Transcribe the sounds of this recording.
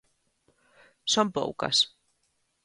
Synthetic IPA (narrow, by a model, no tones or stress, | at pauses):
sompo̰wka̰s